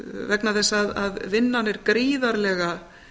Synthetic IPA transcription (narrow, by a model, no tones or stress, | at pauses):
vɛknaθɛsːaaðaðvɪnːanɛɾkɾiːðaɾlɛːɣa